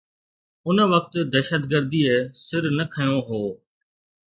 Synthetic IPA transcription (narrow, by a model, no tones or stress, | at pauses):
ʊnʋək̚t̪d̪ɛːʃət̪ɡəɾd̪iːeːsɪɾnəkʰəjõːɦoː